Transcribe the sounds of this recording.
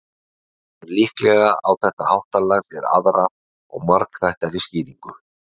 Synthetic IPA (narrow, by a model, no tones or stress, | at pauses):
ɛɾliːhklɛɣaʔawθɛht̪ahawht̪alaɣtɛɾa̰ðɾa | ɔ̰ɣmaɾk̪θajht̪aɾisciːðiŋkʏ̥